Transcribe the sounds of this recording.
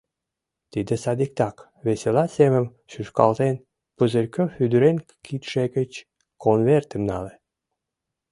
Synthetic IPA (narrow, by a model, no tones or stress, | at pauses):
t̪id̪ə̆sɑd̪ik̚t̪ɑk | βeselɑseməm | ʃyʃkɑ̰lt̪en | pəzəlʲkøfyd̪yɾen | kʰit̪ʃekə̆t͡ɕ | konvert̪ə̆mnɑ̰le